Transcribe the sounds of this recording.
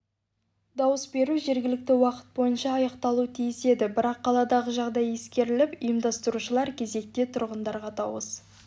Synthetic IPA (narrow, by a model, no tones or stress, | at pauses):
d̪ɑwəsbe̞ɾuʒe̞ɾɡʲɪlɪk̚t̪ɪwɑqə̥t̪̚bo̞jənʃɑːjɑqt̪ɑlˠut̪ʰijɪse̞d̪ɪbɪɾɑqʰːɑlˠɑd̪ɑʁəʒɑʁd̪ɑje̞skʲe̞ɾɪlɪpʊjəmd̪ɑst̪əɾuʃəlˠɑɾkʲʰe̞ze̞k̚t̪e̞t̪ʰʊɾʁənd̪ɑɾʁɑt̪ɑwə̰s